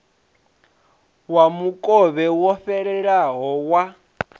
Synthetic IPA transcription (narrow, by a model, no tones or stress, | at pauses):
wamukʼɔβɛwɔɸɛɺɛɺaɦɔwa